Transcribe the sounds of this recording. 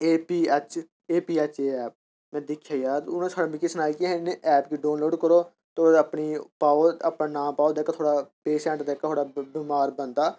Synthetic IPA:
eːpiːət͡ʃ | eːpiːət͡ʃeːɛːp̚ | mɛ̃ːd̪ɪkʰjaːjaːʊnãːsʰaːɽãːbĩːkisənaːiːkiɦneʔɛːpkiːɖaːnloːɖkəɾoː | t̪oːɽəpɳiːpaːoːəpnãːnãːmpaːoːd̪eːkat̪ʰoːɽaːpeːsɛ̃ːʈd̪eːkat̪ʰoːɽaːbiːmaːɾbənd̪aː

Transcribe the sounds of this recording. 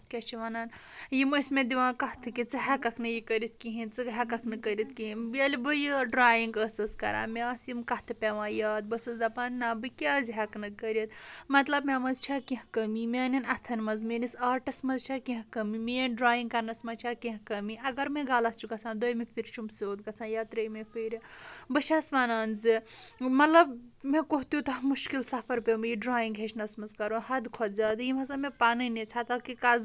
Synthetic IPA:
kʲet͡ʃʰiʋɐnaːnjiməsʲmʲẽd̪iʋãːkɐht̪ʰɨkit͡sɨɦɐkɐkʰnɨjikəɾit̪̚ʰkiɦĩnt͡sɨɦɐkɐkʰnɨkəɾʲit̪kiɦibiɐlʲbɨjiɖɾaːjiŋɡəsɨskɐ̰ɾa̰ːmʲeaːsjimkɐt̪ʰɨpʲeʋãːjaːt̪̚bɐsɐsd̪ɐpaːnnaːbɨkʲaːzʲiɦɐknɨkəɾʲit̪mɐt̪lɐbmʲemɐzt͡ʃʰakĩɦkɐmimʲeɐnɐnɐt̪ʰɐnmɐzmenisɐɾʈɐsmɐzt͡ʃʰɐkĩɦkɐmimeɖɾaːjiŋɡkɐɾnɐsmɐt͡ʃʰakĩɦkɐmiɐɡɐɾmẽɡaːlɐt͡ʃʰukɐt͡sʰãːnd̪ojmepʰiɾt͡ʃʰumseod̪̚kɐt͡sʰãnjat̪ɾɐmepʰiɾbɐt͡ʃʰasmaːnaːnzɨmɐt̪lɐbmekoɦt̪iut̪ɐmuʃkilsɐpʰɐɾpemiiɖɾaːjĩŋɡɦet͡ʃʰnɐsmɐzkɐɾũhɐd̪kʰozad̪jimɐt̪lɐbmepaːninet͡ʃʰat̪ɐkikaz

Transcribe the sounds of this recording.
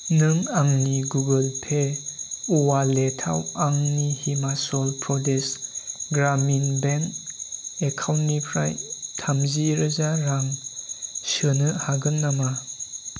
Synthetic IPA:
nɯŋaŋniɡuɡəlpʰe | uwaletʰa̰waŋnihimasɔlpʰɾɔdesɡɾaminben | ekʰawnnipʰɾa̰jtʰamziɾɯzaɾaŋ | sɯnɯhaɡɯnːama

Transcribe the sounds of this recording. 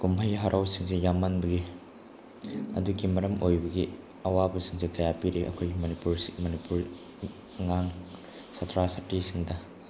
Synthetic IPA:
kumbʰʱɐjɦaɾʔawsiŋsejamɐnbɐɡi | ɐ̰duɡimɐɾɐmojbɐɡi | ɐwabɐsiŋsikɐjapiɾeʔɐ̰kʰojɡimɐnipuɾmɐnipuɾː | aŋ | sɐtʰɾasɐtːisiŋdɐ

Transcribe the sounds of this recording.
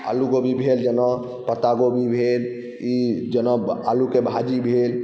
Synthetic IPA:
a̰luɡobʱibʱeld͡ʒənɔ | pət̪aɡobʱibʱel | id͡ʒənɔalukebʱad͡ʒibʱel

